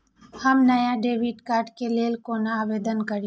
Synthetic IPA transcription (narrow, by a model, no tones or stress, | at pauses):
hɐmnɐjaɖeːʋiʈkaːɾʈkeleːlkoːnaːʋeːd̪ənkɐɾi